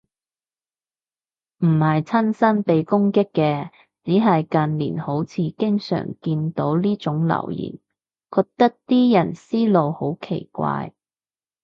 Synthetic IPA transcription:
m̩˨˩hɐ˨jt͡sʰɐ˥nsɐ˥npe˨jkʊ˥ŋkɪ˥kːɛː˧ | t͡siː˨˥ɦɐ˨jkɐ˨nlḭː˨˩nho˨˥wt͡sʰiː˧kɪ˥ŋsœ̰ː˨˩ŋkiː˧nt̪o˨˥wliː˥t͡ʃʊ˨˥ŋlɐ̰˨˩wjḭː˨˩n | kɔː˧k̚t̪ɐ˥k̚t̪iː˥jɐ˨˩nsiː˥lo˨who˨˥wkʰe˨˩jkʷa̰ː˧j

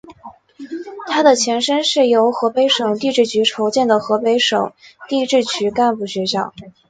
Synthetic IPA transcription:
t̪ʰa˥d̪ə˨t͡ɕʰjɛ˧˥nʂə˥nʂɻ̩˥˩jo˧˥ʊxɤ˧˥pe˧˥ɪʂɤ˨˩ŋt̪i˥˧ʈ͡ʂɻ̩˥˩t͡ɕʰy˧˥ʈ͡ʂʰo˧˥ʊt͡ɕjɛ˥˩nd̪ə˩xɤ˧˥pe˧˥ɪʂɤ̰˨˩˦ŋt̪i˥˧ʈ͡ʂɻ̩˥˩t͡ɕʰy˧˥ka˥˧npu˥˩ɕɥɛ˧˥ɕjɑ˥˩ʊ

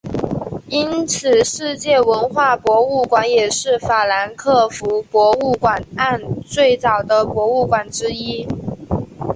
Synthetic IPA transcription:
i˥nt͡sʰɹ̩˨˩ʂɻ̩˥˧t͡ɕjɛ˥˩wə˧˥nxwa˥˩pwɔ˧˥u˥˩kwa˧˥njɛ˨˩ʂɻ̩˥˩fa˨˩la˧˥nkʰɤ˥˩fu˧˥pwɔ˧˥u˥˩kwa˨˩na˥˧nt͡swe˥˩ɪt͡sɑ˨˩ʊd̪ə˦pwɔ˧˥u˥˩kwa˨˩nʈ͡ʂɻ̩˥i˥

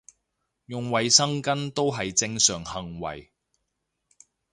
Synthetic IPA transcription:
jʊ˨ŋwɐ˨jsɐ˥ŋkɐ˥nt̪o˥wɦɐ˨jt͡sɪ˧ŋsœː˨ŋhɐ˨ŋwɐ̰˨j

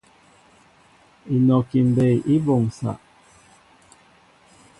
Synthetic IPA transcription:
i˨nɔ˨ki˨m̩˨be˨jʔi˦bo˨ŋsa̰˨ʔ

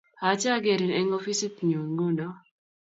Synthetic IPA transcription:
ha˨˦t͡ʃa˦ɡe˨ɾi˨nɛ˦ŋo˦fi˦si˦tɲu˨ŋɡu˦nɔ˦

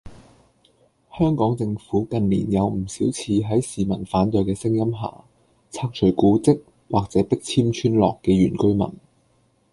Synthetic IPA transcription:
hœː˥ŋkɔː˨˥ŋt͡sɪ˧ŋfuː˨˥kɐ˨˧nlḭː˨˩njɐ˨˧wm̩˨˩siː˨˥wt͡sʰiː˧ɦɐ˨˥jsiː˨mɐ˨˩nfaː˨˥nt̪ɵ˨˧ɥkɛː˧sɪ˥ŋjɐ˥mɦa̰ː˨˩ | t͡sʰaː˧k̚t͡ʃʰɵ˨˩ɥkuː˨˥t͡sɪ˥k̚ | waː˨k̚t͡sɛː˨˥pɪ˥k̚t͡sʰiː˥mt͡ʃʰyː˥nlɔ̰ː˨kːɛː˧ɥyː˨˩nkɵ˥ɥmɐ̰˨˩n

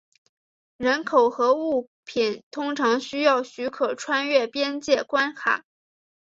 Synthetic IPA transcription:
ɻə˧˥nkʰo˨˩ʊxɤ˧˥u˥˩ | pʰi˨˩˦nt̪ʰʊ˥ŋʈ͡ʂʰɑ˧˥ŋɕy˥jɑ˥˩ʊɕy˧˥kʰɤ˨˩ʈ͡ʂʰwa˥nɥɛ˥˩pjɛ˥nt͡ɕjɛ˥˩kwa˥nxʰa̰˨˩˦

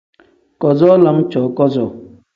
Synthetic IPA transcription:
kɔ˨zɔ˦la˦m˦t͡ʃɔ˨kɔ˦zɔ˨

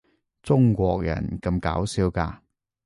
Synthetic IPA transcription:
t͡sʊ˥ŋkʷɔː˧k̚jɐ̰˨˩nkɐ˧mkaː˨˥wsiː˨˥wkaː˧

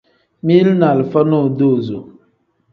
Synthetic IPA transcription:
mi˦lna˨lfa˦no˦˨do˦˨zo˨

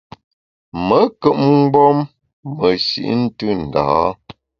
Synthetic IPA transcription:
mə˨˦kə˦˨ʔŋ̩˦ɡ͡bɔ˦mː | ə˨sḭ˨ʔn̩˦tɨ˦n̩˨da̰ː˨˦

